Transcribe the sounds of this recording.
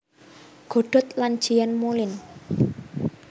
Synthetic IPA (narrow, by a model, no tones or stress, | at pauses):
ɡ̥o̤ɖ̥ɔ̤t̪lan̥d͡ʒ̥ijanmulɪn